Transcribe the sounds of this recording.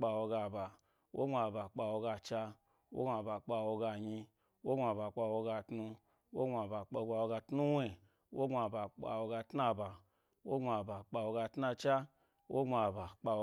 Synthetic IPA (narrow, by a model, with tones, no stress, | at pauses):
k͡pa˧wo˧ɡa˧ba˨ | wo̰˦ŋ͡ma˧˨ba˨k͡pa˧wo˧ɡa˧t͡ʃa˧ | wo̰˦ɡa˧˨ba˨k͡pa˧wo˧ɡa˧ɲi˧ | wo˦ŋ͡mʷa˧ba˨k͡pa˧wo˧ɡa˧tnu˧ | wo˦ɡa˧ba˨k͡po˧ɡ͡ba˧wo˧ɡa˧tnu˦we˨ | wo˦ŋ͡ma˧ba˨k͡pa̰˧˨wo˧ɡa˧tna˧ba˨ | wo˦ŋ͡ma˧ba˨k͡pa˧wo˧ɡa˧tna˧t͡ʃa˦ | wʔo˦ɡa˧ba˨k͡pa˧o˧